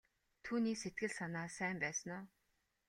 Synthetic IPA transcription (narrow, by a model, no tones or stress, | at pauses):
t̪ʰuːniːkset̪̚ɡɘ̆ɮsanaːsæːmpæːsə̆nʊː